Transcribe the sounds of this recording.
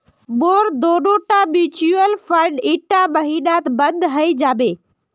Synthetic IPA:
boːɾd̪oːɖoʈabit͡ʃuəlpʰəɾɖɪʈabəɦiɗat̪bənd̪ɦəjd͡ʒaːbeː

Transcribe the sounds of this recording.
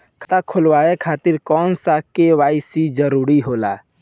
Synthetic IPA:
kʰt̪akʰʊlwaːekʰaːt̪ɪɾkɔːnsakeʋaːɪsid͡ʒəɾuːɾiɦoːla̰

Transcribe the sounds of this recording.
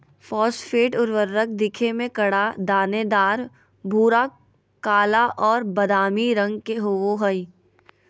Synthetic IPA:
fɔːsfʰeːʈʊɾʋəɾːək̚d̪ɪkʰemẽkɐɽad̪aːned̪aːɾ | bʱuːɾa | kaːlaʔɔːɾbɐd̪aːmiɾɐ̃ŋɡkeɦooɦəi

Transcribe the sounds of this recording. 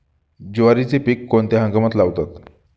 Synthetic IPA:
d͡ʑuʋaɾit͡sepikːont̪eɦãŋɡəmat̪laʋt̪at̪

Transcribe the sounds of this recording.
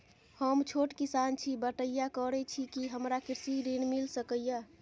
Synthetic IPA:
həmt͡ʃʰoʈkisant͡ʃʰibəʈəjakəɾɛt͡ʃʰikiɦəmɾakiɾsiɾinmilsəkəjə

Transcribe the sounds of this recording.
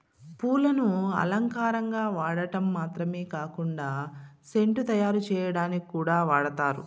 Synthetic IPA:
puːlɐnuɐ̰lɐŋkaːɾɐŋɡaːʋaːɽɐʈɐmːaːt̪ɾɐmeːkaːkuɳɖaːse̞ɳʈut̪ɐjaːɾut͡ʃɛːjɐɽaːnikuːɽaːʋaːɽɐt̪aːɾṵ

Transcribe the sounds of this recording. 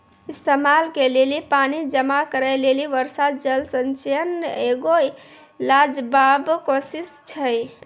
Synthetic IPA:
ist̪emalkelelipanid͡ʒəmakəɾəjleliʋəɾsat̪̚d͡ʒəlsənt͡ʃjəneɡoj | lad͡ʒbabkosist͡ʃʰəj

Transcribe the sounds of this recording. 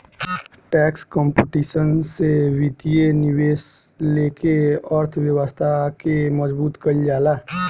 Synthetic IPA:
ʈɛːkskɔ̃mpeʈiːʃənsewit̪ijenɪweːs | leːkeəɾt̪ʰwjəwəst̪ʰakeməzbuːt̪kəid͡ʒaːlaː

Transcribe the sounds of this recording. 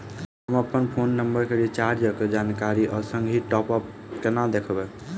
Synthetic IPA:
ɦɦəməpənpʰonːəmbəɾkeɾit͡ʃaɾd͡ʒəked͡ʒankaɾiʔəsəŋɡʱiʈɔpəp | kenad̪ekʰbɛ

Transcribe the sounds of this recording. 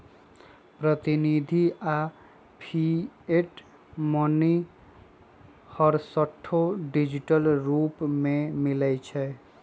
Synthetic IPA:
pɾət̪inid̪ʱia | pʰieʈ | moni | hʌɾsəʈʰːoɖid͡ʒiʈəlɾupmemilɛt͡ʃʰɛ

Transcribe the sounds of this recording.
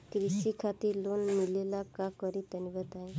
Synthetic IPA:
kɾisikʰat̪iːɾlonmilelakakəɾit̪əniʋət̪aɦe

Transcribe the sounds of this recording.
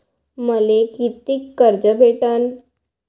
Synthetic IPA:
məlekit̪ikːəɾd͡zəbʱeʈan

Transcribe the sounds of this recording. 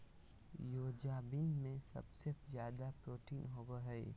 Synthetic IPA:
joːd͡ʒaːbɪnmẽsɐ̰bsezjaːd̪apɾoːʈiːnɦoːbaɦɛe

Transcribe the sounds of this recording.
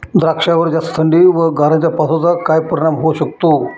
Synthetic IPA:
d̪ɾakʂaʋəɾd͡ʑast̪ʰəɳɖiʋəɡʱaɾãɲt͡ɕjapat̪ʰot͡sakajpəɾiɽamɦoɕək̚t̪o

